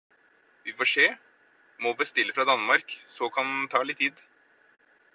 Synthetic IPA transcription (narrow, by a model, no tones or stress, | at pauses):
ʋɪfɔʂeː | mɔbəst̪ɪlːəfɾɑd̪ɑnmɑɾksɔkʰɑnt̪ʰɑːlɪt̪ʰːiːd̪